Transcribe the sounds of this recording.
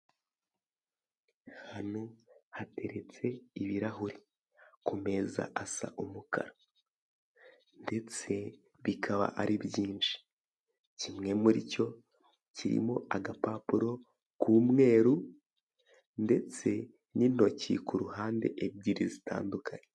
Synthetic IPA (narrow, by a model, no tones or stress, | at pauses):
hanohate̞ɾe̞t͡se̞iβiɾaɦuɾi | kume̞za̰ʔasa̰ʔumukʰa̰ɾa | nde̞t͡se̞ | βikʰaβa̰ʔaɾʔibjiːnʃi̥ | cimŋe̞muɾḭco̞ | ciɾḭmo̞ʔaɡapapuɾo̞ | kuːmŋe̞ːɾu | nde̞t͡se̞ | nin̥o̞cḭkuɾuhaːnde̞̰ʔeb̚ɟiɾizita̰ːndukʰaɲe